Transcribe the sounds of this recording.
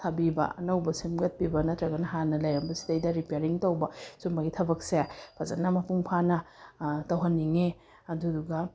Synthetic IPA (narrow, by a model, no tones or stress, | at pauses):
tʰabibɐ̰ɐnɐwbɐsimɡɐt̚pibɐnɐtɾɐɡɐnɐɦanɐlɐjɾɐmbɐsi̥tɐjdɐɾipeɾiŋtɐwbɐsumɐɡitʰɐbɐk̚sepʰɐzɐnːɐmɐpuŋpʰanɐtɐwɦɐnːiŋe | ɐduduɡɐ